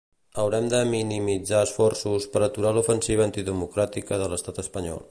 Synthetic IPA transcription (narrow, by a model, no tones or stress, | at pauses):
əwɾɛmd̪əminimid͡zaəsfɔrsuspəɾət̪uɾalufənsiβəːnt̪iðəmukɾat̪ikəðələst̪at̪əspəɲɔ̰lˠ